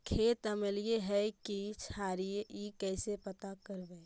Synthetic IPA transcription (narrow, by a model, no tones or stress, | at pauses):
kʰet̪əmelijeɦɛkit͡ʃʰaɾiikɛsepət̪akəɾbɛː